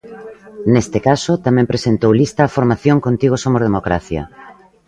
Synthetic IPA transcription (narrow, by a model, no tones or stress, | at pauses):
nest̪ekasot̪amɛ̃mpɾesent̪owlist̪ɐːfoɾmaθjoŋkont̪iɣ̞osomozðemokɾa̰θjɐ̰